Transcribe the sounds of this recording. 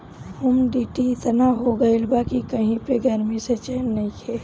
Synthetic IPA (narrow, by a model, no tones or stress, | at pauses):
humɖiʈiɪt̪naɦoɡəelbakikəɦĩpeɡəɾmiset͡ʃeːnnəĩkʰɛː